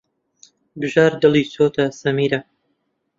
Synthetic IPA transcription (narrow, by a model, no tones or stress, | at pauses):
bɨʒaːɾd̪ɨlˠiːsoːt̪ʰɐsɐmiːɾɐ